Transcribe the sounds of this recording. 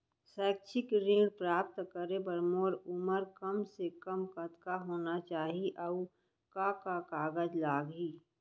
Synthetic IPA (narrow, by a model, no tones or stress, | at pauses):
sɛːk̚t͡ʃʰɪkɾĩːɽpɾaːp̚t̪kəɾebəɾmoːɾʊməɾkəmsekəmkət̪kaɦoːnat͡ʃaːɦiʔɐu | kakakaːɡəd͡ʒlaːɡɦiː